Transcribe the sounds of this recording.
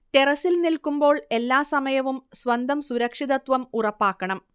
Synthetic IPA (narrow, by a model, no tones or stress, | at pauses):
t̪e̞rɐsilnilkumbo̞ːɭe̞lːaːsɐmɐjɐʋumsʋɐnd̪ʱɐmsuɾɐkʂiðɐt̪ʋɐmurɐpːaːkːɐɳɐm